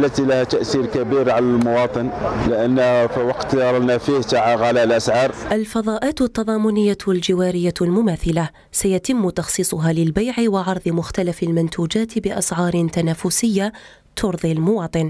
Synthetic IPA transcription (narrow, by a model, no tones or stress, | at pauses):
lːat̪ilahæt̪aʔsiɾkabiɾʕalalmʊwɑːt̪ˤɨnlɪʔanːhfiwɑqt̪dɑɾˤɑlnafiht̪aʕaɣalalʔasʕɑːɾˤʔalfɑðˤɑːʔaːt̪t̪ːɑðˤɑːmʊnɪjːaald͡ʒɪwaːɾɪjːalmʊmaːθɪla | sajat̪ɪmːt̪ɑxsˤiːsˤʊɦaːlɪlbajʕɪwɪʕɑɾˤðˤɨmʊxt̪alafalmɪnt̪ʰuːd͡ʒaːt̪bɪʔɑsʕɑːɾˤɪnt̪anaːfʊsɪjːa | t̪ʰʊɾðˤilmʊwɑːt̪ˤɨn